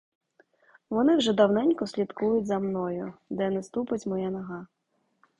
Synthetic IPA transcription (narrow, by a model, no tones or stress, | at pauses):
ʋɔnɪwʒɛd̪ɐwnɛnʲkɔsʲlʲit̪kujʊtʲzɐmnɔjʊd̪ɛnɛst̪upɪtʲmɔjanɐɦɑ